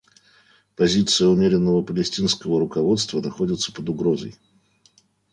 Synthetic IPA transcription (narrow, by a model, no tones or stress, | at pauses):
pɐzʲit̪sɨjəʊmʲeɾʲɪnːəvəpəlʲɪsʲtʲinskəvəɾʊkɐvo̞t̪st̪vənɐxo̞dʲɪt̪sə̥pəd̪ʊɡɾo̞zə̰j